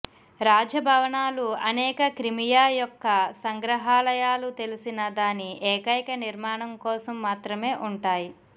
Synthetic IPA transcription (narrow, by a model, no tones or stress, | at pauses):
ɾaːd͡ʒɐbʱɐʋɐɳaːluɐnɛːkɐkɾimijaːjɔkːɐsɐŋɡɾɐɦaːlɐjaːlut̪e̞lisinɐd̪aːniʔɛːkɐjkɐniɾmaːɳɐmkɔːsɐmːaːt̪ɾɐme̞ːʔuɳʈaːji